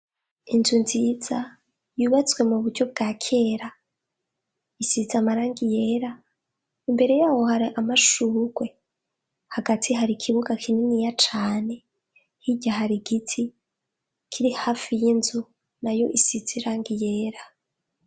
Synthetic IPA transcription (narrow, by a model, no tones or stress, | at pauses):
inzunziːz̥a | juːβat͡swe̞muβuɾɟo̞b̚ɡakʰe̞ːɾa | isizamaɾaːŋɡije̞ːɾa | imbe̞ɾe̞jaːwo̞haɾiʔamaʃuːɡ̥we̞ | haɡatʰiɦaɾikʰiβuɡakʰininijat͡ʃaːne̞ | hiɟaɦaɾiɡitʰi | kʰiɾihaːfijinzu | najo̞̰ʔisiziɾaːŋɡije̞ːɾa